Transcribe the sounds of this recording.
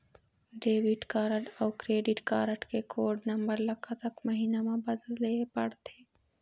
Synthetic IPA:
ɖeːʋiʈkaːɾəʈɔwkɾeːɖɪʈkaːɾəʈkekʰoːɖnɐmbəɾlɐkʰːat̪əkmɐɦiːnamãbɐd̪llepɐɽt̪ʰeː

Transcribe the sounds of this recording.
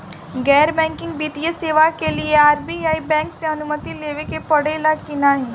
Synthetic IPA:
ɡɛːɾbɛ̃ːŋkɪ̃ŋɡbiːt̪ijəseːʋakelieaːɾbiːaːibɛ̃ːŋkseɦɐnʊmət̪ileːʋekepɐɽeːlakɪnaɦɛ̃ː

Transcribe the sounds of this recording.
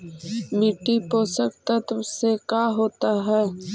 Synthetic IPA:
miʈːipoːsək̚t̪ət̪wsekaːɦoːt̪aɦɛː

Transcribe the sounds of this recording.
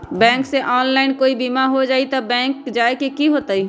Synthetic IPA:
bɛ̃ːŋkseʔɔːnlaːɪnkoːibimaɦod͡ʒaːit̪ɔbɛ̃ːŋkd͡ʒaːekekiɦot̪əi

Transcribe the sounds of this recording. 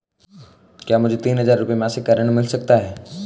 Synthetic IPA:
kjaːmʊd͡ʒʱet̪iːnɦəzaːɾːʊpiemaːsekəɾəɽ̃mɪlsək̚t̪aɦɛː

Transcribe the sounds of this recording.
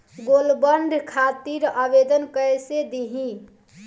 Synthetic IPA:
ɡolbəɳɖʱkʰat̪iɾabed̪ənkəjsed̪iɦĩ

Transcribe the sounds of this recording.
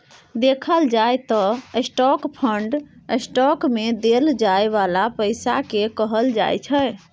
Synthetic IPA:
d̪ekʰəld͡ʒajt̪ɔesʈɔkpʰəɳɖesʈɔkmed̪eld͡ʒaeβalapəjsakekəɦəld͡ʒa̰jt͡ʃʰəj

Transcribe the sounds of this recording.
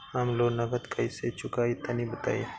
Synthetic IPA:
amloːnɐɡət̪kʰɐiset͡ʃʰʊkaːit̪ɐnibɐt̪a̰ːḭ

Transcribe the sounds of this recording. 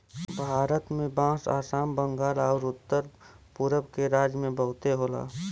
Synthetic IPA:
bʱaːɾət̪mẽbãːsa̰ːsaːmbəŋɡaːlɔːɾʊt̪ːəɾ | puɾəbkeɾaːd͡ʒəmẽbəɦʊt̪eɦola̰ː

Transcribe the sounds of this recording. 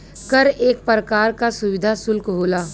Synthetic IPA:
kəɾeːk̚pɾəkaːɾkasʊʋɪd̪ʱasʊlkɦoːlaː

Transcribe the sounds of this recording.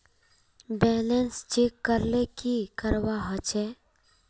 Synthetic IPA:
bɛːlenst͡ʃekːəɾlekikəɾwaɦət͡ʃe

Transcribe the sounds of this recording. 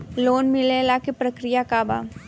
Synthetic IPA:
loːnmɪlelakepɾɐkɾɪjakaːba̰ː

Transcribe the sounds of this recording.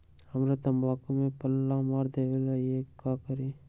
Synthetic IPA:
həmɾat̪əmbaːkõmẽpəlːãmaːɾd̪eːʋelaiekaːkəɾi

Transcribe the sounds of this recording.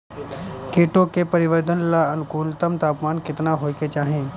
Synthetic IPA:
keːʈokepəɾɪʋəɾd̪ənlaɐnkuːlt̪əmt̪aːpmaːnkɪt̪naɦoːiket͡ʃaːɦẽː

